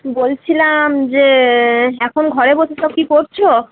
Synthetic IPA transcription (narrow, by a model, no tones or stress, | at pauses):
bolt͡ɕʰilamd͡ʑe | ɛkʰonɡʱɔɾeboʃʰetɔkikoɾt͡ɕʰo